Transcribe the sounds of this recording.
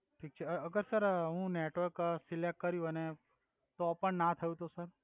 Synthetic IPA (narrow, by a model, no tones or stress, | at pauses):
ʈʰiːk̚t͡ʃʰɛəɡəɾsəɾɦũneʈʋəɾksilekːəɾjũɦəne | t̪opəɳnat̪ʰəjũt̪osəɾ